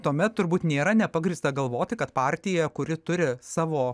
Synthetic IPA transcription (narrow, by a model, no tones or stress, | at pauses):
t̪uɔmʲɛt̪tʊɾbuːt̪nʲeːɾɐnʲɛpɐɡɾʲiːst̪ɐɡɐlˠʋoːt̪ʲɪkɐt̪pɑːɾʲt̪ʲɪjɛkʊɾʲɪt̪ʊɾʲɪsɑːʋoː